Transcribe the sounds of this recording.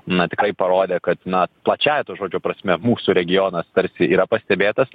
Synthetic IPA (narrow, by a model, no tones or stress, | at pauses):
nɐt̪ʲɪkɾɐɪpɐɾoːd̪ʲeːkɐt̪nɐplˠɐt͡ʃʲæːjɛt̪oːʒoːd͡ʒʲoːpɾɐsʲmʲɛmuːsuːɾʲɛɡʲɪjoːnɐst̪ɐɾʲsʲɪiːɾɐpɐsʲt̪ʲɛbʲeːt̪ɐs